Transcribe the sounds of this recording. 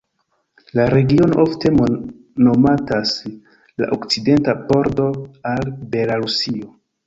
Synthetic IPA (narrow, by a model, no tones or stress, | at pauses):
laɾe̞ɡio̞noʔofte̞mo | no̞matas | la̰ʔokt͡side̞ntapo̞ɾdo̞albe̞laɾusio̞